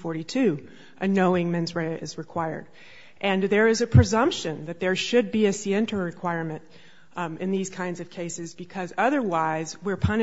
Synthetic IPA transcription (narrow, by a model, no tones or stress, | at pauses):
fɔɹɾitʰʉ | ʔɨnoʊɪ̃ŋmɛ̃nzɹeɨ̰zɹɨkʰw̥aɪə̰˞ɾ | ʔɨ̃nðə˞ɨzɨpʰɹ̥ɨzʌ̃mpʃɨ̃nðɨt̪̚ðə˞ʃɨd̚biɨsiɛ̃ntəɹɨkʰw̥aɪɹmɨ̃nt | ɨ̃nðiz̥kʰãɪ̃ndzʌv̥kʰeɪsɨzbɨkʰʌzʌðə˞waɪzwɪɹpʰʌn